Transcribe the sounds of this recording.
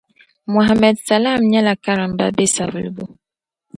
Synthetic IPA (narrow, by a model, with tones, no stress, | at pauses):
mo˨ɦa˨mɛ˨dsa˨la˦˨mɲa˦la˨ka˦ɾa˨m˨ba̰˦be˦sa˨və̰˨lbo˦